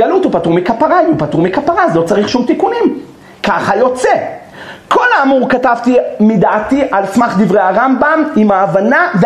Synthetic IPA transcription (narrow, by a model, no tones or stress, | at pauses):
alut̪upat̪uʁmikapaʁajupat̪uʁmikapaʁazlo̞t͡saʁiχʃumt̪ikunim | kaχajo̞t͡se̞ | ko̞laːmuʁkatavt̪imid̪aːt̪iʔalsmaχd̪ivʁejhaʁambamimaːvanave